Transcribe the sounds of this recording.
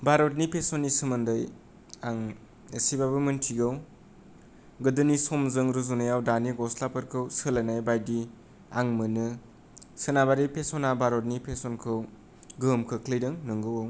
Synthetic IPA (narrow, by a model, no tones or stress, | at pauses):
baɾot̚nipʰesɔnːisɯmɯndɯj | aŋ | esibabɯmɯntʰiɡaw | ɡɯdɯnisɔmzɯŋɾɯzunɯjawdaniɡɔslapɯɾkʰɯwsɯlanajbajdi | aŋmɯnɯ | sɯnabaɾipʰesɔnabaɾot̚nipʰesɔnkʰɯw | ɡɯmkʰɯkʰlijdɯŋnɯŋɡɯwaw